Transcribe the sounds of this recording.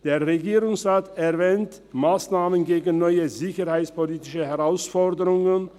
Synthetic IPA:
d̥eːɐʁeɡiːʁʊŋsʁaːtɛɐvɛːnt | maːsnaːmənɡeːɡn̩nːɔʏəzɪçəʁhaɪt͡spoliːtɪʃəhɛʁaʊsfɔʁdəʁʊŋən

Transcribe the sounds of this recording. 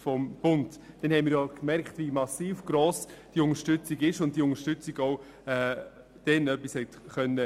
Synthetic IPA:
fɔmb̥ʊntd̥ɛnhɛɪnmiːɾjɔkmɛɾkχtʋimɑsiːfɡ̥ɾɔːsd̥iʊŋəɾʃtʏt͡siɡɪʃʊnt̚d̥iʊŋəɾʃtʏt͡siɡɔʊ | ɛː | d̥ɛnœpːishɛtχœnːə

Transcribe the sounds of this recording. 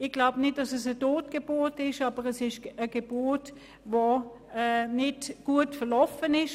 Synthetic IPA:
ɪɡ̥laʊbnɪt̚d̥ɑsɛsətoːtɡ̥eboːtɪʃɑːbəʁɛsɪʃəɡ̥eb̥ot | vo | ɛnɪtɡ̥uətfəɐlɔfənɪʃ

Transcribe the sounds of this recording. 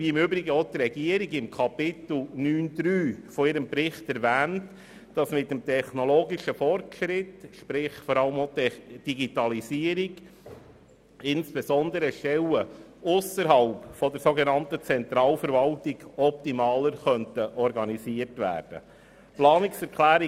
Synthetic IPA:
viɪmøbɾiɡəot̪rɛɡiəɾiɡɪmkʰɑpɪt̪l̩nyːnd̪ɾyːfɔɪɾəmpɾɪχtɛɾvæːnt | d̥ɑsmɪtːəmtʰɛχnɔloːɡiʃəfɔrtʃɾɪtʃpɾɪχfɔɾɑləmot̪ɛd̥iɡitɑlisiəɾiɡ | ɪnsb̥esɔnd̪əɾəʃtɛlə | ʊsəɾɦɑlpfɔdəɾsoɡɛnɑntət͡sɛnt̪ɾɑːlfəɾvɑltiɡ̥ɔp̚timɑːləɾχœntəʔɔɾɡɑnisiːərtʋæ̰ːrd̥ə̰ | plɑːnɪksɛɾkʰlæːɾi

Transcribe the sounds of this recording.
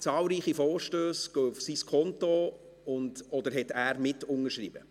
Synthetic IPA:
t͡sɑːlɾiːχifɔːɾʃtøːsɡ̥oʊfsiskʰɔntɔ | ʊndɔdəɾɦɛtæːɾmɪtʊnəʃrḭːbə̰

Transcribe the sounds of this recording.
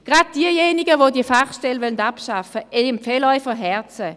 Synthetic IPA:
ɡ̥ʁad̚d̥iəjeːnɪɡəvoːdiəfaχʃtɛlvœlndapʃafəʔɛɪmfeːlɔʏfəɦɛɐt͡sə

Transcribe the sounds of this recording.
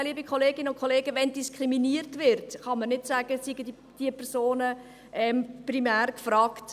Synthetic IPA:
liːbikʰχoleːɡɪnəʊnkχoleːɡəʋɛndiskʰʁiminiːərtʋɪɾtχɑmənɪtsæːɡ̥əsiɡəd | d̥iəpɛɾsoːnə | ʔɛmprimæːrkfrɑːkt

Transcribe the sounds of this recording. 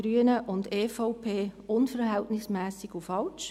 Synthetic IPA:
ɾyənəʔʊndeːfɔʊpʰeːʊnfəɾɦɛltnɪsmɛːsɪɡufɑlt͡ʃ

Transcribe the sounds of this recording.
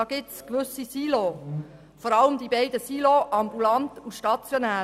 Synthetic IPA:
ɑːɡ̥ɪtskʋʏsisiːlo | fɔɾɑləmd̪ibɛɪdəsiːloʔɑmbulɑntuʃtɑt͡sjonæː

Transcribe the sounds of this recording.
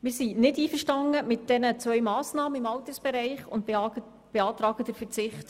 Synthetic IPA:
mɪːɾsinɪdiːfəɾʃtɑŋəmɪt̚d̥ɛnət͡sʋœɥmɑːsnɑːməɪmɑwt̪əɾsb̥ɛɾɛɪχʊnt | b̥eɑːt̪ɾɑːɡ̥ədəɾfət͡sɪχt

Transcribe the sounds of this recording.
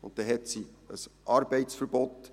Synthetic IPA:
ʊ̰̃ntt̪ɛɦɛtsiəsʔɑɾbɛɪtsfəɾbɔt

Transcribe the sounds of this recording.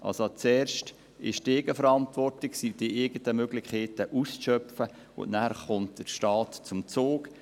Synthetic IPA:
ʔɑ̰lsot͡sɛːɾʃt | ɪ̰ʃdeːɡəfəɾɑntvɔrtɪksid̥iʔɪɡətəmøɡlɪkeːtəʔusʃœpfə | ʊ̰nnæɾχʊnt̚d̥əʃtɑːtt͡sʊmt͡soːk

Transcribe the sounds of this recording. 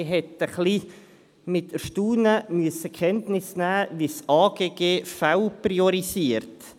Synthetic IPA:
ɦɛtəχli | mɪtəʃtuːnəmyəsəkʰɛntnɪsnæːʋisɑːɡ̥eːɡeːfawpriɔɾisiəɾt

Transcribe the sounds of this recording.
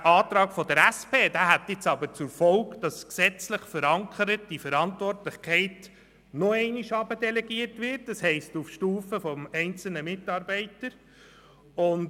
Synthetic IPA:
ʔɑːtɾɑːɡfɔd̥əɾæspʰeːd̥æːɦæt̪ːɪt͡sɑbəɾt͡sʊɾfɔlkd̥ɑsksɛt͡slɪχfəɾɑŋkʰəɾət̚d̥ifəɾɑntvɔrtlɪχkʰɛɪt | noɛɪniʃɑbədɛlɛɡiərtʋɪrtd̥ɑshɛɪstufʃtuːfəfɔmɛɪnt͡sl̩nəmɪtɑːɾbɛɪtəɾ | ʊn

